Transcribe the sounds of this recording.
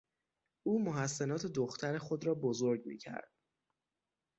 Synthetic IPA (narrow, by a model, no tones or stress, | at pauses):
ʔuːmoɦæsːenɒːt̪ʰe̞d̪oxt̪ʰæɾe̞xo̞d̪ɾɒːbozoɾɟmḭːcʰæ̰ɾd̪̥